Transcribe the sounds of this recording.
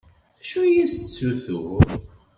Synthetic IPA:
æʃujist̪suθu

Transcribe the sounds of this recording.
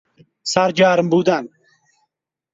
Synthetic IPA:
saɾd͡ʒaːɾmbuːd̪an

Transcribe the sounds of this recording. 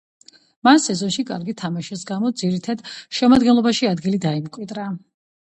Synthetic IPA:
mansɛzɔnʃikʼa̰ɾɡit̪ʰamaʃɛsɡamɔd̪ziɾit̪ʰad̪ʃɛmad̪ɡɛnlˠɔbaʃiad̪ɡilid̪aimkʼwid̪ɾa

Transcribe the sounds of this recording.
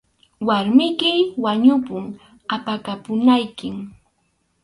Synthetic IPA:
waɾmɪkɪwaɲʊpʊŋ | apakapʊnajkɪŋ

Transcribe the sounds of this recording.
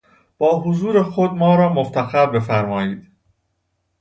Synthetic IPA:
b̥ɒːɦozuːɾexod̪mɒːɾɒːmoft̪ʰæxæɾbe̞fæɾmɒːjiːd̪̥

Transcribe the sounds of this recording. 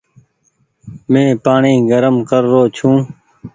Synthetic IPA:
mẽːpaːɳiːɡəɾəmkəɾːoːt͡ʃʰũː

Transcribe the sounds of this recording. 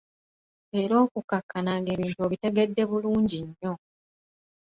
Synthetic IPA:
eɾo̞ːkukakːanaŋɡe̞ːβiːntueβite̞ɡe̞dːe̞βuluːɲɟiɲːo̞

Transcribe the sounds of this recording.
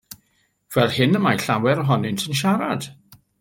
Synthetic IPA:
v̥ɛlˠhɪnəmajɬawɛɾəɦɔnɪntʰənʃaɾad̥

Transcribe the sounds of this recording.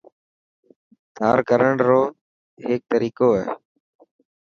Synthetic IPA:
d̪ʱaːɾkəɾəɳɾoː | ɦeːk̚t̪əɾiːkoːɦɛ̰ː

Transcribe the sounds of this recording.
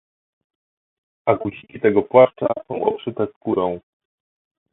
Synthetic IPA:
akut͡ɕikʲit̪ɛɡɔpwaʂt͡ʂa̰sɔ̃w̃ʔɔ̰pʂɘt̪ɛskuɾɔ̃w̃

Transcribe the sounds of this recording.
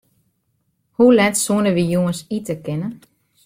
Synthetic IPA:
hulɛtsuənəʋijuənsitəkɪnə

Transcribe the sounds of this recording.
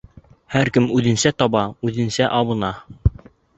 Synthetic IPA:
hæɾkɘmʉðɘ̆nsæt̪ɒβɑʉðɘ̆nsæʔɑβɤ̆nɑ

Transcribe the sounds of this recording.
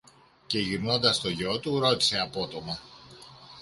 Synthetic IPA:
ce̞ʝiɾno̞nd̪ɐst̪o̞ʝo̞t̪uɾo̞t̪i̥se̞ɐpo̞t̪o̞mɐ

